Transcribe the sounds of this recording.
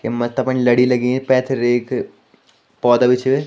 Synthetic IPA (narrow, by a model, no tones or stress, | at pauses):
kemɐt̪ɐpɐnlɐɽilɐɡẽːpɛːt̪ʰɾeːk | pɔːd̪aʋɪt͡ʃʰʋe